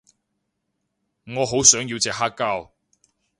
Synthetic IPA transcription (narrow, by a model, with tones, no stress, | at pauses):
ŋɔː˨˧ɦo˨˥wsœː˨˥ŋji˨˧wt͡sɛː˨k̚ɦaː˥kːaː˥˩w